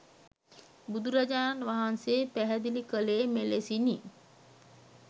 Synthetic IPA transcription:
bud̪uɾad͡ʒaːnʋaɦanseːpæɦɛd̪ilikəleːmelesini

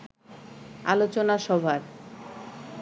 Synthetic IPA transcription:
a̰lot͡ɕonaʃɔbʱaɾ

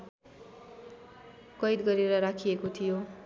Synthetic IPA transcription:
kʌjd̪ɡʌɾeɾʌɾakʰijekot̪ʰijo

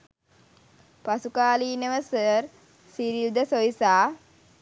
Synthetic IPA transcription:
pasukaːliːnəʋəsəɾ | siɾild̪əsoisaː

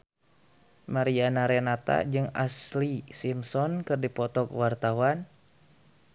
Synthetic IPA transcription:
maɾianaɾɛnat̪a̰d͡ʒɨŋa̰slisimsɔnkɨrdipɔt̪ɔkwart̪awan

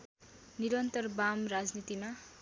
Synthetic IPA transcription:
niɾʌnt̪ʌrbamrad͡znit̪ima

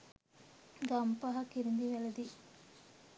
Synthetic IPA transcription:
ɡɐmpɐɦɐkːiɾund̪iʋeɭɐd̪i

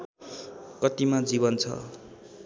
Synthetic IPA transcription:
kʌt̪imad͡ziβʌnt͡sʰʌ̰

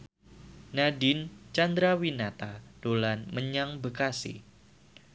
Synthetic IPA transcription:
nadɪnt͡ʃand̪ɾawinat̪ad̥olanməɲaŋbəkasḭ

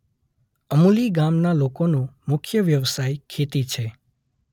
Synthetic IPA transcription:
əmuliɡamnalokonũmʊkʰjəʋjəʋsajkʰet̪it͡ʃʰe

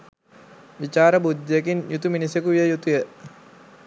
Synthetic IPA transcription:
ʋit͡ʃaːɾəbud̪ːekinjut̪uminisekuʋijəjut̪ujə

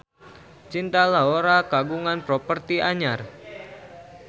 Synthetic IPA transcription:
t͡ʃint̪alaɦoɾakaɡuŋanpɾopərt̪iʔaɲar

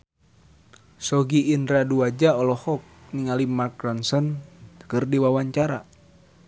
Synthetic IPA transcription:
sɔɡiːndɾaduad͡ʒaɔlɔhɔk̚niŋalimark̚ɾansɔnt̪ə̥kɨrdiwawaɲt͡ʃaɾa̰

